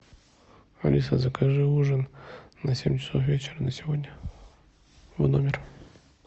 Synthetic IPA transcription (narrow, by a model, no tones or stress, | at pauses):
ɐ̰lʲisəzəkaʐɨuʐənnɐsʲemʲt͡ɕɪ̥sofvʲet͡ɕɪɾənəsʲɪvodʲnʲə | vnomʲɪr